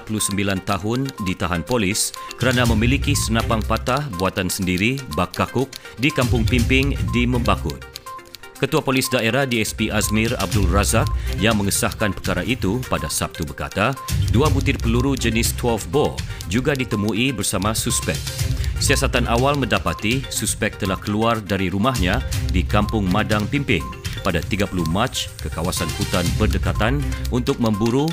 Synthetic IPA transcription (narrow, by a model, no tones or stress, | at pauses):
pəlusəmbilant̪aɦʊndit̪aɦanpolɪskəɾanãmə̃milikisənãpaŋpat̪ahbuat̪ansəndiɾibakːakʊk̚dikampʊŋpimpɪŋdimə̃mbakʊt̪̚ | kət̪uapolisdaeɾahdiɛspiʔasmɪ̃ra̰b̚dʊlrazak̚jaŋmə̃ŋəsahkanpərkaɾaʔit̪upadasap̚t̪ubərka̰t̪aduabut̪ɪrpəluɾud͡ʒənɪst̪wɛlfbod͡ʒuɡadit̪əmuibərsamãsuspɛk̚siasat̪anʔawalmə̃ndapat̪isuspɛk̚t̪əlahkəluardaɾiɾumahɲãdikampʊŋmadaŋpimpɪŋ | padat̪iɡapuluhmat͡ʃkəkawasankut̪anbərdəkat̪anunt̪ʊk̚mə̃mbuɾu